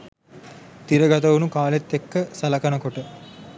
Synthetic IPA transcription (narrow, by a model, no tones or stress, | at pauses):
t̪iɾəɡɐt̪əʋunukaːlet̪ːekːəsɐlɐkɐnəkoʈə